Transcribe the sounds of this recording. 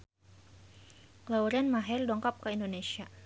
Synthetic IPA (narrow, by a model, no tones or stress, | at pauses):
klauɾɛnmaɦɛrdɔŋkap̚kəindonesia